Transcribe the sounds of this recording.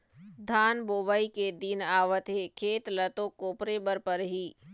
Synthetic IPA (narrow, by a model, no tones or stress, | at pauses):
d̪ʱaːnboːʋaiked̪inaːʋət̪ɦekʰeːt̪lɐt̪oːkoːpɾebəɾpəɾɦiː